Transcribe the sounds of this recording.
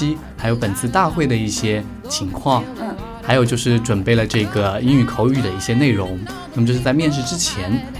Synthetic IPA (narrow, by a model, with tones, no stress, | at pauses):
i˥ | xa˧˥ɪjo˧˥ʊpə˨˩nt͡sʰɹ̩˥˧t̪a˥˧xwe˥˩ɪd̪ə˩i˥˩ɕjɛ˥ | t͡ɕʰi˧˥ŋkʰwɑ˥˩ŋ | xa˧˥ɪjo˨˩ʊt͡ɕjo˥˧ʊʂɻ̩˥˩ʈ͡ʂwə˨˩npe˥˩ɪlə˩ʈ͡ʂɤ˥˩ɡə˩i˥ny˨˩kʰo˧˥ʊy˨˩d̪ə˩˦i˥˩ɕjɛ˥ne˥˩ɪɻʊ˧˥ŋ | na˥˩ə˨t͡ɕjo˧ʂɻ̩˥˩t͡sa˥˧ɪmjɛ˥˧nʂ̬ɻ̩˥˧ʈ͡ʂɻ̩˥t͡ɕʰjɛ˧˥n